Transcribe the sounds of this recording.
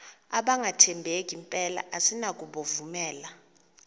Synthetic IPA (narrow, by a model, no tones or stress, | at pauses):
a̰ɓaŋʱatʰɛmbʱek̬ʼimpʼɛla̰ʔasinak̬ʼuɓovumɛːla